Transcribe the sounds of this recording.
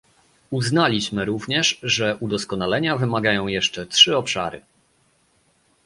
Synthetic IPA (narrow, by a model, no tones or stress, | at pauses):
uznalʲiɕmɘɾuvɲɛʂʐɛʔud̪ɔskɔnalɛɲavɘmaɡajɔ̃w̃jɛʂt͡ʂɛtʂɘɔpʂa̰ɾɘ̰